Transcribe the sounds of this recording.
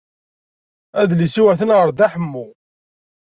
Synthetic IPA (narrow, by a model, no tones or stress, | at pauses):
æðlisuwæθənʁəɾðæħəmːu